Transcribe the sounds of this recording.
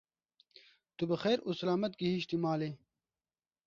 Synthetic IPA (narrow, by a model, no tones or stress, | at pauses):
t̪ubɐxeːɾusɐlaːmɐt̪̚kiɦiɕt̪imaːle